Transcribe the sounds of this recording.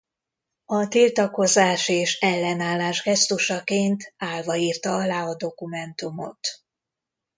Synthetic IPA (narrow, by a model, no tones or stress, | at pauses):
ɒt̪ilt̪ɒko̞zaːʃeːʃɛlːɛnaːlːaːʒɡɛst̪uʃɒkeːnt̪aːlvɒiːrt̪ɒɒlaːɒd̪o̞kumɛnt̪umo̞̰t̪